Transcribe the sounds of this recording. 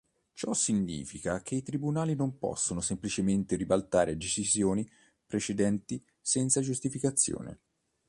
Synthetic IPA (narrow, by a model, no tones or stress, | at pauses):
t͡ʃɔsːiɲːḭːfikak̟ʰeit̪ɾibunaːlinompɔ̰sːonosemplit͡ʃement̪eɾibalt̪aːɾed̪et͡ʃizjoːni | pɾet͡ʃed̪ɛnt̪i | sɛnt̪sad͡ʒust̪ifikat̪sːjo̰ːnḛ